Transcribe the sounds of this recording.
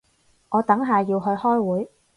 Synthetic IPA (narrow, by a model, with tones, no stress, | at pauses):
ŋɔː˨˧t̪ɐ˨˥ŋɦaː˨jiː˧wɦɵ˧ɥhɔː˥jwuː˨˥j